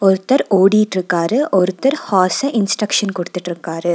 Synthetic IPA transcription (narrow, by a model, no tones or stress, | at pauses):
ɔɾɯt̪ːɐɾoːɽijɪʈːɾɯkːaːɾɯʔɔɾɯt̪ːɐɾhaːsɐʔɪnsʈɾɐkʂɐnkɔɽɯt̪ːɪʈːɪɾɯkːaːɾɯ